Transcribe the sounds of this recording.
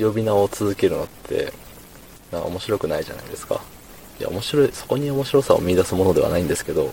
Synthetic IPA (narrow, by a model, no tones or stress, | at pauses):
jo̞bʲinaot͡sɨzɨke̞ɾɯ̟no̞t̪ʰːe̞̰ | nãŋka̰o̞mo̞ɕiɾo̞kɯ̟naiʑa̰na̰id̪e̞sɨ̥ka̰ | ia̰o̞mo̞ɕiɾo̞iso̞ko̞ɲ̟io̞mo̞ɕiɾo̞sao̰mʲiːd̪asɨmo̞no̞d̪e̞a̰naĩnd̪e̞sɨ̥ke̞d̪o̞